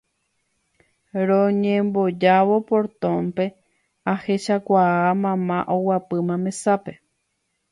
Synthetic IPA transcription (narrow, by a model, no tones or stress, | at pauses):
ɾõɲẽmbod͡ʒaʋo̞poɾt̪õmpe̞ | aheʃakʷaamãmãʔowapɨmãmẽ̞sape̞